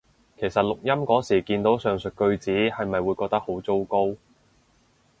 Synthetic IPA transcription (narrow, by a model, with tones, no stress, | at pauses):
kʰe˨˩jsɐ˨t̚lʊ˨k̚jɐ˥mkɔː˨˥siː˨˩kiː˧nt̪o˨˥wsœː˨ŋsɵ˨t̚kɵ˧ɥt͡siː˨˥hɐ˨jmɐ˨jwuː˨˧jkɔː˧k̚t̪ɐ˥k̚ho˨˥wt͡so˥wko˥w